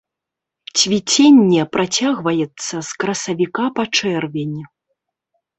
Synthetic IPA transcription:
t͡sʲvʲit͡sʲenʲːɛpɾʔat͡sʲaɣvɐjɛt̪sːɐskɾɐsɐvʲikapɐt͡ʂɛrvʲenʲi

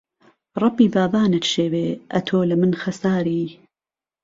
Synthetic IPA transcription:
rˤɑbiːbaːbaːnɐt̪ʃeːweːʔɐ̰t̪ʰoːlɐmɨnxɐsaːɾiː

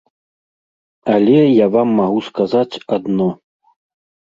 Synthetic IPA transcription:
alʲɛjavamːaɣuskazat͡sʲad̪nɔ

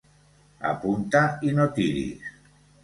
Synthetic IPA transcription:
a̰punt̪ainot̪iɾḭs

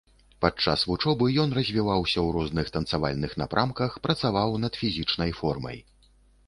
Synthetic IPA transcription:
pat͡ʂːa̰svut͡ʂɔbɨjɔnrɐzʲvʲivawsʲɐwɾɔznɨxt̪ɐnt̪sava̰lʲnɨxna̰pɾʔamkɐxpɾɐt̪savawnɐd̪fʲizʲit͡ʂnɐjfɔrmɐ̰j

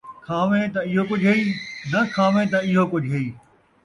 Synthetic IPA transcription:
kʰaːʋẽt̪ɐɪɦokʊd͡ʒʱɦeiːnɐkʰaːʋẽt̪̬ɐɪɦokʊd͡ʑʱɦeiː

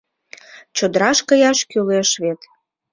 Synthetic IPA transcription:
t͡ɕod̪əɾɑʃkəjɑʃkyleʃβet̪

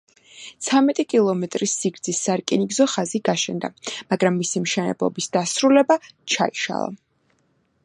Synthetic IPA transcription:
t̪sʰamɛt̪ʼikʼilˠɔmɛt̪ʼɾisiɡɾd̪z̥isaɾkʼiniɡzɔχaziɡaʃɛnd̪a̰maɡɾamːisimʃɛnɛ̰blˠɔ̰bisd̪asɾulɛbat͡ʃʰa̰iʃa̰lˠa̰

